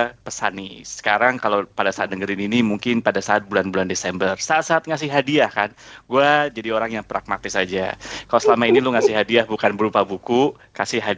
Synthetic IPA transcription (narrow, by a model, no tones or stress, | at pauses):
pəsanisə̥kaɾaŋkalawpadasaat̪̚nəɡəɾininimuŋkɪnpadasaːt̪̚bulanbulandesɛmbərsaːt̪̚saːt̪̚ŋas̬ɪhɦadiahkanɡuad͡ʒadioɾaŋjaŋpɾak̚mat̪ɪsad͡ʒa̰kalasəlamainilʊŋasɪɦadiahbukanbəɾupabuku | kasɪhɦa